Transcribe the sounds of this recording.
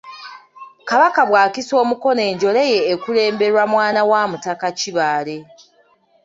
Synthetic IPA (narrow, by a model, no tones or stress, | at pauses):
kaβakaβwaːkiso̞ːmuko̞ne̞ːɲɟo̞leje̞ːkule̞ːmbe̞ɾwamwaːnawaːmutakaciβaːle̞